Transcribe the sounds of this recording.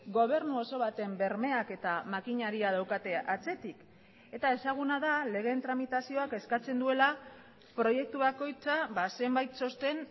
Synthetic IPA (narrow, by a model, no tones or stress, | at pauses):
ɡo̞β̞e̞ɾnuo̞so̞β̞at̪e̞mbe̞ɾme̞ake̞t̪amakiɲaɾiaðawkat̪e̞at͡se̞t̪ik | e̞t̪ae̞saɣ̞unaðale̞ɣ̞e̞nt̪ɾamit̪asio̞ake̞skat͡se̞nd̪ue̞la | pɾo̞je̞k̚t̪uβako̞jt͡saβase̞mbajt̪so̞st̪e̞n